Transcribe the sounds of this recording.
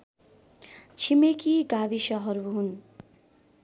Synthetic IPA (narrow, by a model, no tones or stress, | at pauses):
t͡sʰimekiɡaβisʌɦʌɾuɦun